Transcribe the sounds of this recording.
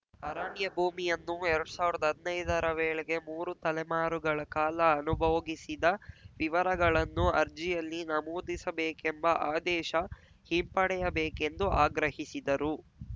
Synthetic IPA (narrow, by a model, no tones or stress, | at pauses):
ɐɾaːɳjɐbʱuːmijɐnːuɛɾɐɽusaːʋiɾɐd̪ɐɦɐd̪nɐjd̪ɐɾɐʋeːɭɛɡe̞muːɾut̪ɐlɛmaːɾuɡɐɭɐkaːlɐːnubʱɐːɡisid̪ɐʋiʋɐɾɐɡɐɭɐnːuɐɾd͡ʒijɐlːinɐmoːd̪isɐbeːkembɐʔaːd̪ɛːʃɐ | himpɐɽɛjɐbeːkend̪uʔaːɡɾɐhisid̪ɐɾu